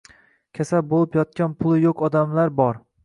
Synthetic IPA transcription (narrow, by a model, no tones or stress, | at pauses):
kʲʰasap̚bolˠɪpjɒt̪̚kʲanpʰʊlˠɪjokɒd̪amlaɾbɒɾ